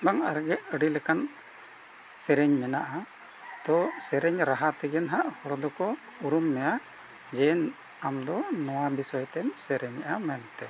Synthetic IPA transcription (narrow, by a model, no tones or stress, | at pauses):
baŋaɾɡɛʔəɖilɛkan | sɛɾɛɲmɛnaʔa | d̪̥ɔsɛɾɛɲɾaɦat̪ɛɡɛnɦaʔhɔɽɔd̪ɔkɔ | uɾumːɛja | d͡ʒɛn | amd̪ɔnɔwabisɔjt̪ɛmsɛɾɛɲaʔamɛnt̪ɛ